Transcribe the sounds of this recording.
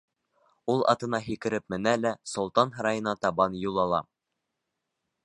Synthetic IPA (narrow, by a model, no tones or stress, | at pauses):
ulˠɑ̰t̪ɤ̆nɑɦikɘ̆ɾɘp̚mɘ̆nælæsŏlˠt̪ɑnɦɤ̆ɾɑjɤ̆nɑt̪ɑβɑnjulˠɑlˠɑ